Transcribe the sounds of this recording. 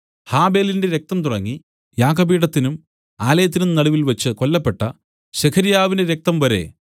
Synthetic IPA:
haːbe̞ːlinde̞ɾe̞k̚t̪ɐmt̪uɽɐŋːi | jaːkɐbiːɽɐt̪ːinum | aːlɐjɐt̪ːinumnɐɽuʋilʋɐt͡ɕːɨko̞lːɐpːe̞ʈːɐ | ɕekʰɐɾjaːʋine̞ɾek̚t̪ɐmʋɐɾe̞̰

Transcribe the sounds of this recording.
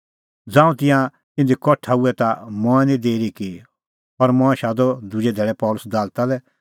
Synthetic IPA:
d͡zãːũt̪ɪ̃jã | t̪ɪ̃nd̪ikɔʈʰauɛt̪amɔ̃ɛ̃nĩd̪eːɾiki | ɐɾmɔ̃ːɛ̃ʃaːd̪ɔd̪ʊd͡ʒɛd̪ʱɛːɭɛpɔːlʊsd̪aːlt̪alɛ

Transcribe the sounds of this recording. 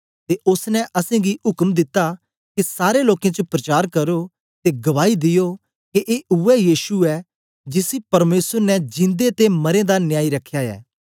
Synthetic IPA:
t̪eʔʊsnɛʔɐsẽɡiɦʊkmd̪ɪt̪ːa | kisaːɾeloːkẽt͡ʃopɾɐt͡ʃaːɾkɐɾo | t̪eɡɐʋaːid̪ɪjo | kiʔeːʔʊɛjiːʃuɛ | d͡ʒɪsipɐɾmeːsəɾnɛd͡ʒɪ̃nd̪et̪emɐɾẽd̪anjaːiɾɐkʰːjaɛ̰ː

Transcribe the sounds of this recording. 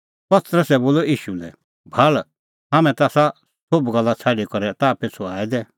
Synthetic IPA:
pɐt̪ɾəsɛboːloiːʃulɛ | bʱɐl | ɦaːmɛ̃t̪aːsa | sobɡɐlːat͡sʰaɖikɔɾɛt̪aːpet͡sʰuaːɛd̪ɛː

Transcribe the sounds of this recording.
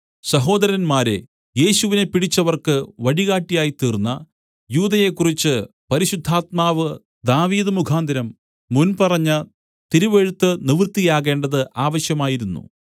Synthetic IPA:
sɐɦo̞ːd̪ɐɾɐnmaːɾe | je̞ːɕuʋine̞piɽit͡ɕːɐʋɐrkɨʋɐɽiɣaːʈːijaːjit̪iːrnːɐ | juːðɐje̞kːurit͡ɕːɨ | pɐɾiɕud̪ʱːaːt̪̚maːʋɨ | d̪aːʋiːðɨmukʰaːnd̪iɾɐmː | unpɐrɐɲːɐ | t̪iɾuʋeɻut̪ːɨniʋrt̪ːijaːɣe̞ːɳɖɐðɨʔaːʋɐɕjɐmaːjiɾunːṵ

